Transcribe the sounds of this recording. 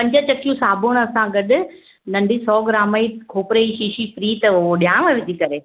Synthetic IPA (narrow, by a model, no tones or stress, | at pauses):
pɐ̃ɲd͡ʑət͡ɕɐkijũsaːbʱoɽ̃ɐsãɡɐɗʊ̆ | nɐ̃ɳɖʱisɔːɡɾaːmaikʰoːpɾeiʃiːʃipɾiːt̪ɐʊɦoɗijaːɽ̃ʋaʋɪt̪ikɐɾeː